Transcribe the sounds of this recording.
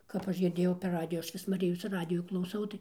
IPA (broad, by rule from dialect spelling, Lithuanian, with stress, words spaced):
kɐp ˈɐʃ ɡʲɪrʲˈdʲeːjɛʊ pʲɛr ˈrɑːdʲɪjʊ ˈɐʃ ˈʋʲɪs ˈmɑːrʲɪjoːs ˈrɑːdʲɪjuː klˠɐʊˈsɐʊ tɐɪ